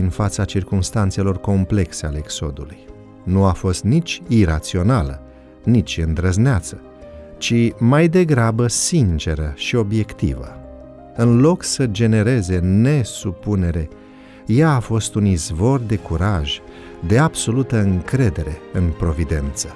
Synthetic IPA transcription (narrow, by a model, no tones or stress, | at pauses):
iɨnfat̪sat͡ʃirkumst̪ant̪se̞lo̞rko̞mple̞kseale̞ːkso̞̰d̪uluj | nuafo̞st̪nit͡ʃʲiɾat̪sio̞nalə | nit͡ʃʲɨnd̪ɾəzneat̪sə̥ | t͡ʃimajd̪e̞ɡɾabəsint͡ʃe̞ɾəʃio̞bje̞kt̪ḭvə̰ | ɨnlo̞ksəd͡ʒe̞ne̞ɾe̞ze̞ne̞supune̞ɾe̞ | jaːfo̞st̪unizvo̞rd̪e̞kuɾaʒ | d̪e̞ab̥so̞lut̪əɨŋkɾe̞d̪e̞ɾe̞ɨnpɾo̞vid̪e̞nt̪sə̥